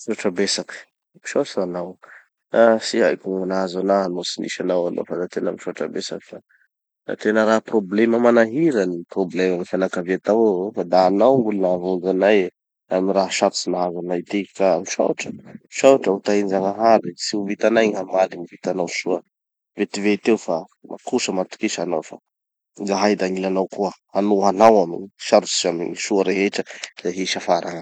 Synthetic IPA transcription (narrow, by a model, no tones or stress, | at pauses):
ʃuʈ͡ʂəbesakə̥ | mi̥ʃasanaw | asiajkʲuŋanaazanaɦanosinḭʃanawano̰fad̪at̪enəmiʃuaʈ͡ʂəbesakə̥fa | a̰t̪enəɾaɦprobleməmanaɦiɾəniproblemamifanakaviat̪awfad̪aːnawŋɡulunavund͡ʒanaj | amiɾaɦʃaɾusinaɦazanajt̪ikaamiʃa̰ʈ͡ʂəʃawʈ͡ʂəut̪aind͡ʒaŋaɦaɾisiuvit̪anajɲɦamalinivit̪anawʃuə | vet̪ivet̪ewfa | mʔa̰kusəmant̪u̥kiʃanawfa | ŋɡaɦajd̪aŋilanawkuə | anuanawamiʃaɾusi̥zaminiʃuəɾeɦeʈ͡ʂəz̥aɦiʃafaɾaŋa